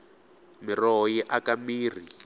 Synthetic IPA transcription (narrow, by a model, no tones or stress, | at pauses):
mirɔɦɔjiʔakamiːr̤i